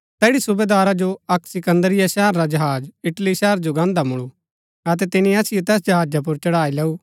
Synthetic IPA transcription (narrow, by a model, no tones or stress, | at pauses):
t̪ɛːɽisʊbeːd̪aːɾad͡ʒoɐksɪkə̃nd̪əɾɪjaʃɛːəɾːad͡ʒɐɦaːd͡ʒɪʈliʃɛːɾd͡ʒoɡãːnd̪amʊɭu | ɐt̪̬ɛt̪ɪnĩɐsɪjot̪ɛːs̬d͡ʒɐɦaːd͡ʒap̬ʊɾt͡ʃɐɽaːilɛːu